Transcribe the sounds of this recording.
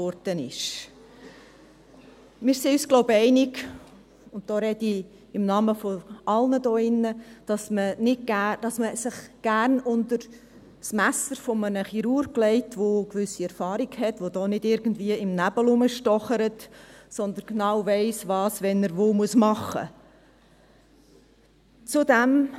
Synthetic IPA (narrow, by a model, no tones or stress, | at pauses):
ɔɾd̥ənɪ̰ʃ | mɪːɾseːysɡ̥loʊbɛɪnɪɡ | ʊnt̚d̥ɔːɾɛd̥i | ɪmnɑməfoʔɑlnədɔːɪnːəd̥ɑsmənɪd̚ɡæd̥ɑsməsɪχɡ̥ærnʊndəɾ | smæsəɾfɔmənəχiɾuːɾklɛɪtʋokʋʏsiɛɾfɑːɾiɡhɛtʋod̥̪ɔːnɪdɪɾɡən̩dviəɪmnæbəlʊməʃtɔχəɾətsɔnd̪ənɡenɑːwvɛɪsʋɑːsʋɛnːəɾʋoːmuəsmɑχə̰ | t͡sʊdæm